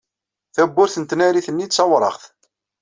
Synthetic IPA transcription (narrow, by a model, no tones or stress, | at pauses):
θæbːʊɾθənt̪næɾiθənːit̪sɑwɾˤɑ̰χθ